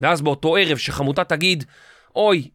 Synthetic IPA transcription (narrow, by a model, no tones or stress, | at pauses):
veazbeo̞to̞e̞ʁevʃeχamutataɡid̪ | ʔo̞j